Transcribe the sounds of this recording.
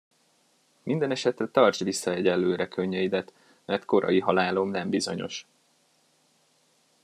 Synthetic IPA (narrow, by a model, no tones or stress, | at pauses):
mind̪ɛnɛʃɛt̪rɛt̪ɒrt͡ʃʋisːɒjɛɟɛlːøːɾɛkʰøɲːɛjid̪ɛt̪ | mɛrt̪ko̞ɾɒ̰jiɦɒlaːlo̞mnɛmbizo̞̰ɲo̞̰ʃ